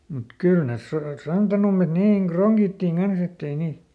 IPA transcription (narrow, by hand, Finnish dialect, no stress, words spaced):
mut kyl nes sor sɑntɑnumːet niːŋ kroŋɡ̊itːiŋ ɡ̊ɑns etː ei niː